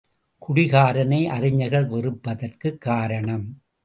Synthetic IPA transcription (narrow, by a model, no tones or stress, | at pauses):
kʰʊɽɪɣaːɾɐnɐɪʔɐrɪɲɐɣɐɭʋɛrɯpːɐðɐrkɯkːaːɾɐɳɐm